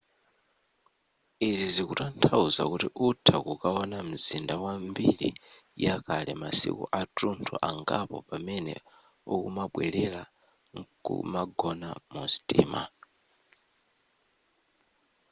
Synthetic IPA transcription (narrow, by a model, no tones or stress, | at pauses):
izizikutantʰauza̰kutiʔutʰakukaɔnam̩zindawambilḭjakʰalɛmasḭkuʔatuntʰuʔaŋɡapɔpamɛnɛ̰ | ukumaɓwɛlɛla | kṵmaɡɔna̰mustʼiːma̰